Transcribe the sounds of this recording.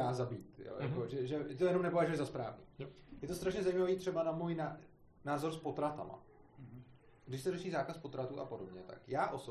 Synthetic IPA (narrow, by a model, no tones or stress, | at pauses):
aːzabiːt̪jo̰ːja̰koʒɛʒɛt̪ojɛno̞mnɛpovaʒujɛzaspɾaːvnḭːjɛt̪o̞st̪ɾaʃɲɛzajiːmaviːt̪r̥ɛbanamuːjna | naːzoɾspo̞t̪ɾat̪ama̰ | ɡdɪʃsɛɾoʃiːzaːkaspo̞t̪ɾat̪uːʔa̰po̞dobɲɛt̪a̰kjaːʔo̞so